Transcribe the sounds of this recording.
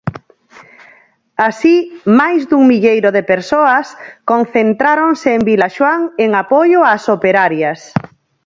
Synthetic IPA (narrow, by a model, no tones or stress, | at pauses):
asimajzðuŋmiʎejɾoðepeɾsoaskõnθent̪ɾaɾoŋseːmbilaʃwaŋeŋapojʊasopeɾaɾjas